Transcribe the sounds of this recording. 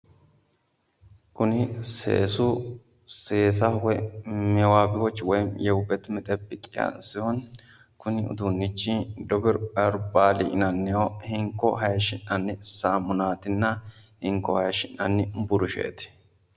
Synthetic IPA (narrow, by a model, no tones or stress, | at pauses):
kʊnɪsḛːsʊ | seːsɐwɔmɛwaːbɪwɔt͡ʃːwɔjmjɛʊbɛt̪mɛt̪ʼɛpːɪkʼɪjɐ̰nsɪhɔn | kʊnɪʊ̰d̪unːɪt͡ʃːɪd̪ɔbɪɾɐɾʊbaːlɪ̰ʔɪnɐnːɪjohɪŋkːɔhɐjʃɪnːɐnːɪsaːmʊnaːt̪ɪnːɐhɪŋkːɔhɐjʃɪnːɐnːɪbʊɾʊʃḛːt̪ɪ̥